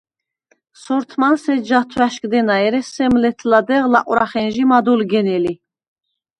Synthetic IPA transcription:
sɔɾt̪ʰmansɛd͡ʒat̪ʰwæʃkʼd̪ɛnaɛɾɛsɛmlɛt̪ʰlad̪ɛʁla̰qʼuɾaχɛnʒimad̪ulɡɛnɛli

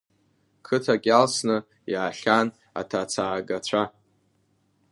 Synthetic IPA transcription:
kʰɨtʰakʲʼalsnɨ | jaːɬʲan | a̰tʰat͡sʰaːɡat͡ɕʷʰa

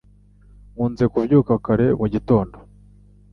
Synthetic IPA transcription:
muːnze̞kuvjuːkakaɾe̞muɟito̞ːndo

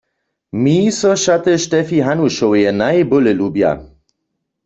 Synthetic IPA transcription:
miːsɔʃat̪əʃtɛfiɦanuʃowjɛnajboləlubja̰

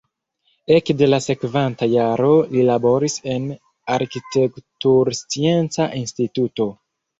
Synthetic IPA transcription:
e̞kde̞lase̞kvantajaɾo̞lilabo̞ɾise̞n | aɾkite̞ktuɾst͡sie̞nt͡saʔinstituto̞

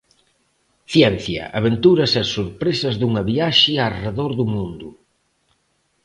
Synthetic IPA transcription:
θjɛnθjɐ̰ʔa̰β̞ent̪uɾɐsɛsoɾpɾesɐzðuŋɐβiaʃɪareðoɾðumũnd̪ʊ

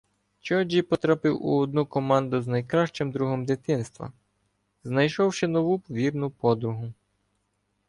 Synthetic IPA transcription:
t͡ʃɔd͡ʒʲipɔt̪ɾapɪwṵɔd̪̚nukɔmɑnd̪ʊznɐjkɾɑʃt͡ʃɪmd̪ɾuɦɔmd̪ɪt̪ɪnst̪ʋɐ̰ | znɐjʃɔwʃɛnɔʋuʋʲirnʊpɔd̪ɾʊɦʊ

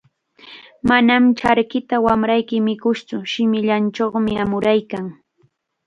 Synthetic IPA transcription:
manamt͡ʃaɾkɪt̪awamɾajkɪmɪkʊst͡sʊʃɪmɪʎant͡ʃoχmɪamʊɾajkaŋ

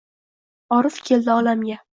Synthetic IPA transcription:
ɒɾɨfkʲʰe̞ld̪ɪɒlamɡʲa

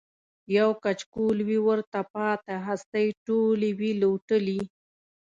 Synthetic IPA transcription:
jawkat͡ʃkulwiwəɾt̪apɑt̪aɦast̪ajʈoliwiloʈəli

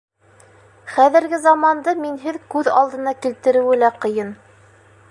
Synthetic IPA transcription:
χæðɘ̆ɾɡɘzɑmɑnd̪ɤminɦɘðkʉðɑ̰lˠd̪ɤ̆nɑkilt̪ɘ̆ɾɘ̆wɘlæqɤ̆jɤn

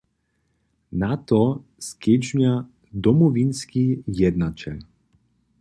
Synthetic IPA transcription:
nat̪ɔskɛd͡ʒɲa | d̪ɔmɔvinskijɛd̪nat͡ʃɛ̰l

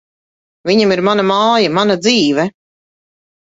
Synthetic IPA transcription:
viɲamiɾmanamaːjamanad̪ziːvɛ

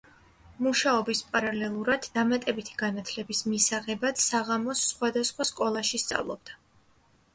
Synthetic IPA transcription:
muʃaɔbispʼaɾalɛlˠuɾad̪ːamat̪ʼɛbit̪ʰi̥ɡanat̪ʰlɛbismisaʁɛbat̪saʁamɔsːχwad̪asχwaskʼɔlˠaʃist̪sʼa̰vlˠɔb̚d̪a

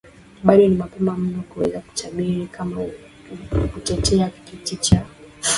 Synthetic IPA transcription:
ɓaɗɔnimapɛmam̩nɔkuwɛzaku̥t͡ʃaɓiɾikʰama | kutɛtʰɛakikitit͡ʃa

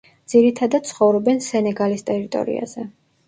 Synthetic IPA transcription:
d̪z̥iɾit̪ʰad̪at̪̚t̪sʰχɔvɾɔbɛnsɛnɛɡalist̪ʼɛɾit̪ʼɔ̰ɾḭa̰z̥ɛ

